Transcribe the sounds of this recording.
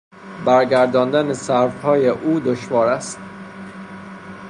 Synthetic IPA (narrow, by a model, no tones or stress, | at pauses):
bæɾɡæɾd̪ɒːnd̪ænesæɾfhɒːjeʔuːd̪oʃvɒːɾæst̪